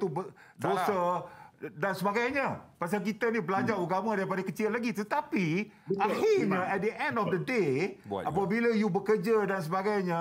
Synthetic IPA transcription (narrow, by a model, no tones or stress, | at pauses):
t̪ubə | dosa | dansəbaɡajɲãpas̬alk̬it̪anibəlad͡ʒaɾuɡamãdaɾip̬adakət͡ʃɪlːaɡit̪ət̪api | aəhiɲãɛt̪̚dəʔɛ̃ndɔfdədeʔapabilajubəkərd͡ʒadans̬əbaɡajɲã